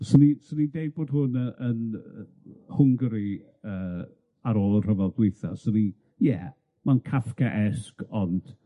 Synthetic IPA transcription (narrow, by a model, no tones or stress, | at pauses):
sənisənidejd̚boːd̥ɦʊnəən | hʊŋɡɾi | əː | aɾoːlˠənr̥əvɛlˠdwɪjθɔ̰səni | jɛ̰ | mankʰafkʰaʔɛskʰɔnd̥